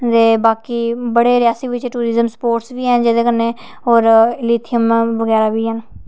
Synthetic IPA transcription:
d̪eːbaːkiːbəɽeːɾɪjaːsiːʋɪt͡ʃʈuːɾɪzəmspoːɾʈsʋiːɦɛ̃ːnd͡ʒeːd̪eːkəɾneː | ɦɔːɾɪliːt̪ʰɪjəmʋəɡɛːɾaːʋiːɦən

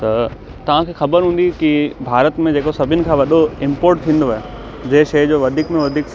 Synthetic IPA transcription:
t̪ɐ | t̪ɐʋ̤ãkʰeːxɐbəɾɦũːn̆d̪ikibʱaːɾət̪mẽd͡ʑeːkosɐbʱɪnɪ̆kʰãːʋɐɗoɪ̃mpoːɾʈ̚t̪ʰĩːnd̪oaːɦe | d͡ʑɐɦɪʃɐjd͡ʑoːʋɐd̪ʱiːkmẽʋɐd̪ʱiːk

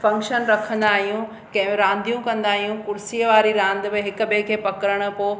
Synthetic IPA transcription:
fɐ̃ŋkʃənɾɐkʰə̃nd̪aːɦijũ | kɐ̃ɦɪ̃meɾãːnd̪ijũkɐ̃nd̪aːɦijũkʊɾsiːəʋaːɾiɾãːnd̪bɪɦɪkʊ̆bekʰeːpɐkəɾəɽ̃ʊ̆poː

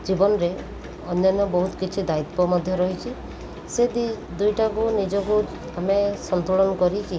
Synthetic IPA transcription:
d͡ʒibɔnɔɾe | ɔnjanːɔbɔɦut̪ɔ̥kit͡ʃʰid̪ait̪pɔmɔd̪ʱjɔɾɔɦit͡ʃʰi | sed̪i | d̪ujʈakunid͡ʒɔku | amesɔnt̪uɭɔnɔkɔɾiki

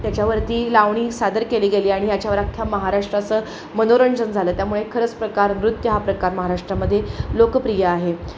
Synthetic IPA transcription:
t̪jat͡ɕjaʋəɾt̪iːlaʋɳ̃iːsad̪əɾkeliːɡeliːaɽ̃ijat͡ɕjaʋəɾakʰːjaməɦaɾaʂʈɾat͡səː | mənoɾəɳd͡ʑənd͡zʱaləːt̪jamuɭekʰəɾət͡spɾəkaɾmɾut̪jəɦapɾəkaɾməɦaɾaʂʈɾaməd̪ʱːjelokəpɾijəaɦe

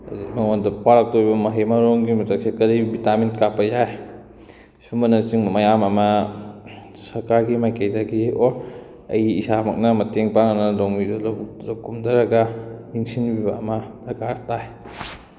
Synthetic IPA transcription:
ɐ̰zikmaŋondɐpaɾak̚tobibɐmɐɦemɐɾoŋɡimɐtak̚sekɐɾibitaminkapɐjaj | sumɐnɐt͡ʃiŋmɐjamɐmɐ | sɐɾkaɾɡimajkejdaɡioɾ | ɐjisamɐk̚nɐmɐteŋpaŋanɐloŋbidɐlokːumdɐɾɐɡaniŋsinbibɐ̰ɐmɐsɐkaɾtaj

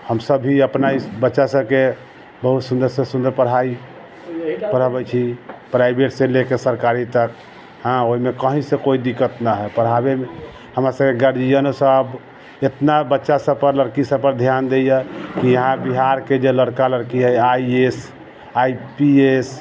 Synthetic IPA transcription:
həmsəbʱɦiəpnaibətːʃasəb̚ke | bəɦut̪sũnd̪əɾsẽsũnd̪əɾpəɽ̤ai | pəɾ̤əbɛjt͡ʃʰipɾajbeʈsẽlekesəɾkaɾit̪ək | ɦãoɦimekəɦĩsẽkoid̪ikət̪nəɦɛpəɽ̤ɦabeme | həmɾasəb̚keɡəɾd͡ʒijənosəb | et̪nabətːʃasəpəɾləɾkisəbpəɾd̪ʱjand̪ejəkijəɦãbiɦaɾked͡ʒeləɽkaləɾkiɦəjaies | ajpies

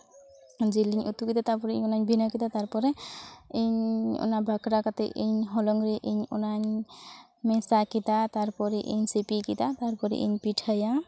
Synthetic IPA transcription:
d͡ʒeliɲʔṵt̪ukid̪at̪aɾpɔɾɛḭɲɔnaɲbʱinakid̪at̪aɾpɔɾɛiɲɔ̰nabʱakɾakat̪ɛʔiɲɦɔlɔŋɾɛʔiɲɔnaɲ | mɛsakit̪at̪aɾpɔɾɛʔiɲsipikit̪at̪aɾpɔɾɛ̰ʔḭɲpiʈʰaja

